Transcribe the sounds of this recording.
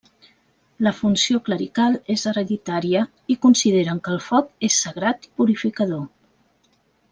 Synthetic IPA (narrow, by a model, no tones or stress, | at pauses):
ləfunsiokləɾikalˠezəɾəðit̪aɾiə | ikunsiðeɾəŋkəːlˠfɔkesːəɣɾat̪i̥puɾifikəðo